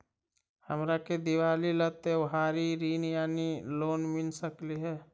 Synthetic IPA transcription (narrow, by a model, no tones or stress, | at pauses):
həmɾaked̪iwaːlilət̪eʋɦaːɾiɾiːnjaːniloːnmɪnsəkliɦɛː